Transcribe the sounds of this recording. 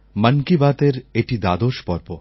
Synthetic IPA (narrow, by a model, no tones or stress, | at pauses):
mɐnkibaːt̪eɾeːʈʰid̪aːd̪oːʃpɔɾpoː